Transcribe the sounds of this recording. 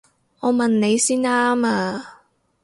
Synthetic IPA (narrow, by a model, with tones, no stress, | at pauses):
ʔɔː˨˧mɐ˨nne˨˧jsiː˥naː˥maː˧